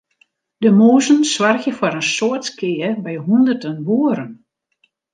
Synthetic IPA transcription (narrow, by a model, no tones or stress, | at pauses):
dəmoːzənswarxjəfaɾənsoətkʰɪːbɛjɦundərdənʋuːəɾən